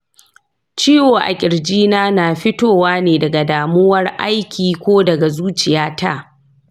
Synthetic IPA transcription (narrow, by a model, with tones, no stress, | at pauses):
t͡ʃiː˦woː˨ʔa̰˨kʲʼɪ˨ɽd͡ʒiː˦naː˦naː˨ɸɪ˦toː˦˨waː˦neː˨dɐ˨ɡa˨daː˨mʊ˦wɐ˦rʔa̰˦jkʲʰiː˨kʷoː˦dɐ˨ɡa˨zuː˦t͡ʃɪ˨jaː˦ta̰˦˨